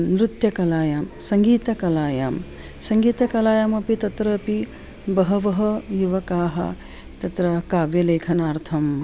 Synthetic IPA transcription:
mɾut̪jɐkɐlaːjaːmsɐŋɡiːt̪ɐkɐlaːjaːm | sɐŋɡiːt̪ɐkɐlaːjaːmɐpit̪ɐt̪ɾɐːpi | bɐɦɐʋɐɦɐjuʋɐkaːɦɐ̰ | t̪ɐt̪ɾɐkaːʋjɐleːkʰɐnaːɾt̪ʰɐm

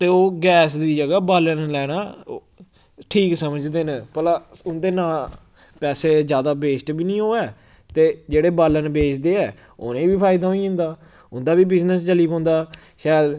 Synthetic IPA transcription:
t̪eːoːɡɛːsd̪iːd͡ʒəɡaːbaːlənlɛːɽaː | ʈʰiːksəməd͡ʒd̪eːnpəlaːʊnd̪eːnãː | pɛːseːd͡ʒjaːd̪aːbeːsʈbiːnĩːɦoːɛː | t̪eːd͡ʒeːɽeːbaːlənbeːt͡ʃʰd̪eːɛː | o̰ːnẽːbiːpʰaːɪd̪aːɦõĩːɪ̃nd̪aː | ʊnd̪aːbiːbɪznəs̬d͡ʒəliːpɔ̃ːnd̪aː | ʃɛːl

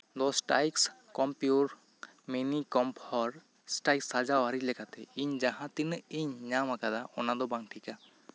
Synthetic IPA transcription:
d̪ɔsʈa̰jkskɔmpjuɾ | minikɔmpʰɔɾ | sʈajksːad͡ʒawɦaɾilɛkat̪ɛiɲd͡ʒaɦãt̪iniɲɲamakad̪aɔnad̪ɔbaŋʈʰika

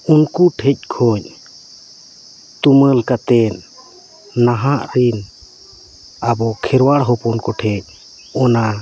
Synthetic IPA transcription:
unkuʈʰɛc̚ˀkʰɔɲ | t̪uməlkat̪ɛnː | aɦaʔɾin | abɔkʰɛɾwaɽɦɔpɔnkɔʈʰɛɲ̚ˀ | ɔna

